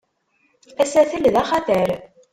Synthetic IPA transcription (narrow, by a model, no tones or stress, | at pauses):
æsæθəlðæχɑθəɾ